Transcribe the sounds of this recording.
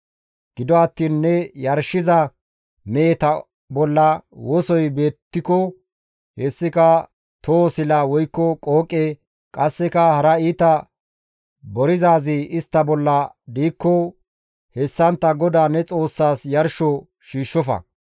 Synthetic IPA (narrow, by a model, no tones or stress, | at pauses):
ɡ̥ɪd̪ɔɐt̪ːiːnːɛjɐɾʃɪzɐ | meːt̪ɐ | bɔlːɐwɔsɔjbe̞ːt̪ːɪkɔ | hɛsːɪkɐ | t̪osɪlɐwɔjkːɔkʼoːkʼe | kʼɐsːɛkɐhɐɾɐiːt̪ɐ | bɔɾɪzaːzɪʔɪst̪ːɐbɔlːɐd̪iːkːɔ | hɛsːɐnt̪ːɐɡɔd̪aːnɛt͡sʼo̞ːsːaːsjɐɾʃɔ | ʃiːʃːɔfɐ̰